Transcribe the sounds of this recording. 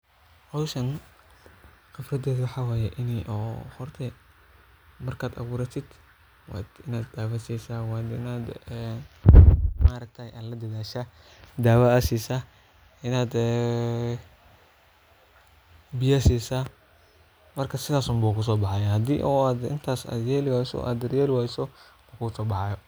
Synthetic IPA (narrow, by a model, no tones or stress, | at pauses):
qɑwʃɐn | qɪfrɐd̪ɛːðwɑħɑːwaːjɛʔɪniʔɔːhɔrt̪ʰɛ | mɐrkʰaːd̪ɐ̰ɣuːɾɐt̪ʰɪd̪ | wa̰ːd̪ɪnaːd̪aːwɐsiːsaːwaːd̪ɪ̰naːd̪ɛ | maːɾɐɡ̚t̪ʰɐjʔalɐd̪ɐðaːʃa | d̪aːwaasiːsaː | ɪnaːd̪ɛ | bɪjaːsiːsaː | mɐrkʰɐsɪðaːsʊmbuːkʰʊs̬ɔːbɑħɑjahɐd̪ḭːʔɔːaːd̪ɪ̰nt̪ʰaːsa̰d̪jeːlɪwaːjsɔ̰ʔa̰ːd̪ɐrjaːlɪwaːjsɔ | lɐkʰʊɣʊsɔːbɑħɑjɔ